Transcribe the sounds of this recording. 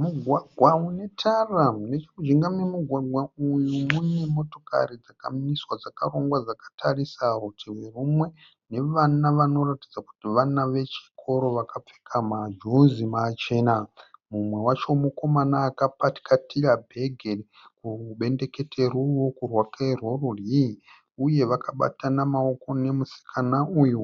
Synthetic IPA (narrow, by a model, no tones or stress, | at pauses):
muɡʱwaɡʱwaune̞tʰarane̞t͡ʃimud͡ʒiŋɡamemuɡʱwaɡʱwaujumunemo̞to̞̥ka̰rid͡zaka̰miswad͡zakaro̞ŋɡwad͡zakḁtʰarisarutʰiwerumwe̞ | ne̞ʋanaʋano̞ratid͡zaku̥tiʋanaʋe̞t͡ʃi̥kʰo̞ɾo̞ʋakap͡fe̥kʰamad͡ʒunzimat͡ʃe̞ːnamumwe̞wat͡ʃomuko̞manaːkapati̥katiɾabʱe̞ɡʱe̞ri | kuɓe̞nde̞ke̞tʰe̞ruwo̞kurwakairwororji | uje̞ʋakaɓa̰tanamaoko̞ne̞musi̥kʰanauju